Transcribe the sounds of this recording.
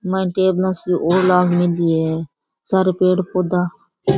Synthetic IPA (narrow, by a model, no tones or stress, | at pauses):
maːĩːʈeːblãːsʔoːɾlaːɡmɪliːeː | saɾpeːɽpoːd̪aː